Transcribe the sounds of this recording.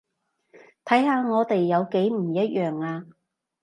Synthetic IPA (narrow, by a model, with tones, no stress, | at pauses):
t̪ʰɐ˨˥jhaː˨˧ŋɔː˨˧t̪e˨jːɐ˨˧wke˨˥jm̩˨˩jɐ˥t̚jʔœː˨˩ŋaː˧